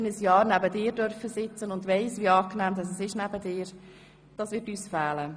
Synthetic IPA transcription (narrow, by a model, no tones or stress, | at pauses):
nəsjɑːɾnæbədɪːɾdœrfəsɪt͡sənʊndvɛɪsʋiːɑːknæːmdɑsɛsɪʃnæbədɪːɾ | d̥ɑːsʋɪɾtyːsfæːlə